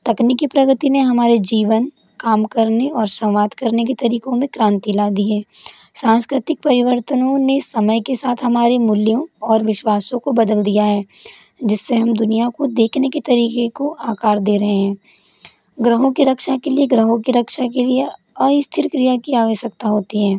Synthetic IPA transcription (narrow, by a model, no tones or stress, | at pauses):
t̪ɐknikipɾɐɡt̪ineɦɐmaːɾed͡ʒiːʋən | kaːmkɐɾneɔːɾsɐ̃wʋaːd̪kɐɾnek̬et̪ɐɾiːkõmẽkɾãːnt̪ilaːd̪iɦɛːsãːnskɾɪt̪ɪk̚pɐɾɪʋəɾt̪ənõnesɐməjkesaːt̪ʰɦɐmaːɾemʊljõɔːɾʋɪʃwaːsõkobɐd̪əld̪ijaɦɛː | d͡ʒɪsːeɦɐmd̪ʊnijakod̪eːkʰneket̪ɐɾiːkekoʔaːkaːɾd̪eːɾɐɦeɦɛ̃ː | ɡɾəɦõkiɾɐkʃakelieɡɾəɦõkiɾɐkʃakelie | ɐist̪ʰɪɾkɾijakijaʋesɐk̚t̪aɦoːt̪iɦɛ̃ː